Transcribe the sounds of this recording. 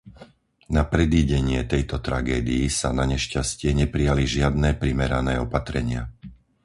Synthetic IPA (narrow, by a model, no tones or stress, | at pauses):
napɾɛd̪iːɟɛɲɪɛt̪ɛjt̪ɔt̪ɾa̰ɡɛːd̪iisanaɲɛʃcascɪɛɲɛpɾijaliʒɪad̪nɛːpɾimɛɾanɛːɔpat̪ɾɛɲɪa